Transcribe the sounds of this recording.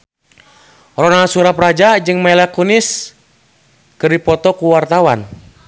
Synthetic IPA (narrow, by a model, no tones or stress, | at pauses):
rɔnasuɾaprad͡ʒad͡ʒɨŋmɛlakunis | kɨrdipɔt̪ɔkuwart̪awan